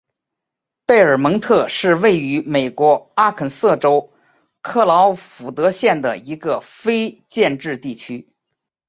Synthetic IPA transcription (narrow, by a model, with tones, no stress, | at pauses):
pe˥˩ɪə˞˨˩mɤ˧˥ŋt̪ʰɤ˥˧ʂɻ̩˥˧we˥˩ɪy˧˥me˨˩ɪkwɔ˧˥a˥kʰə˨˩nsɤ˥˩ʈ͡ʂo˥ʊ | kʰɤ˥˩lɑ˧˥ʊfu˨˩t̪ɤ˧˥ɕjɛ˥˩nd̪ə̰˩i˧˥ɡə˧fe˥ɪt͡ɕjɛ˥˧nʈ͡ʂɻ̩˥˧t̪i˥˩t͡ɕʰy˥